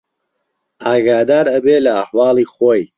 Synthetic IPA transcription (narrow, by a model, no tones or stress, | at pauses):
aːɡaːd̪aːɾɐbeːlɐːħwɑːlˠiːχoj